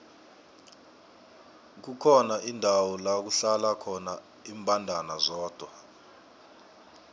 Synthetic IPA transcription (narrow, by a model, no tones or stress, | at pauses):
k̬ukʰɔnaʔindʱawɔlak̬uɬalakʰɔna | iːmbʱʼandʱanazɔːd̥ʱwa